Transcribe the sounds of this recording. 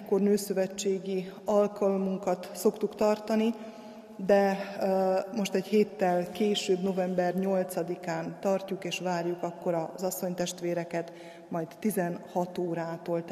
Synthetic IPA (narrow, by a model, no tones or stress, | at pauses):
kːornøːsøvɛt͡ʃːeːɡiɒlkɒlmuŋkɒt̪so̞kt̪ukt̪ɒrt̪ɒni | d̪ɛ | mo̞ʃt̪ɛɟheːt̪ːɛlkeːʃøːbno̞vɛmbɛrɲo̞lt̪sɒd̪ikaːnt̪ɒrcukeːʃʋaːrjukɒkːo̞ɾɒzɒsːo̞ɲt̪ɛʃt̪ʋeːɾɛkɛt̪ | mɒjt̪ːizɛnhɒt̪oːɾaːt̪oːlt̪